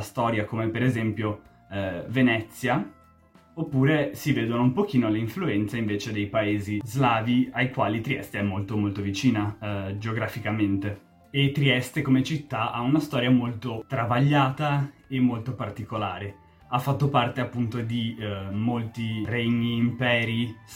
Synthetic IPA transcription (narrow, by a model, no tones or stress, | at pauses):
ast̪ɔːɾjakomepeɾezɛmpjo | venɛt̪sːja | opːuːɾesiveːd̪onoumpok̟iːnoleiɱfluɛnt̪saiɱveːt͡ʃed̪ejpaeːzizlaːviajkwaːlit̪ɾiɛ̰st̪eɛmːolt̪omolt̪ovit͡ʃiːnad͡ʒeoɡɾafikament̪e | et̪ɾiɛst̪ekomet͡ʃit̪ːaʔaunast̪ɔːɾjamolt̪ot̪ɾavaʎːaːt̪aemːolt̪opart̪ikolaːɾe | afːat̪ːopart̪eapːunt̪od̪imolt̪ireɲːiːmpɛːɾi